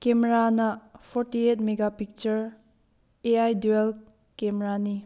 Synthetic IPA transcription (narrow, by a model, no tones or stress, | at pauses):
kemeɾanɐpʰoɾtietmeɡapik̚t͡ʃɐɾ | eajdel | kemeɾani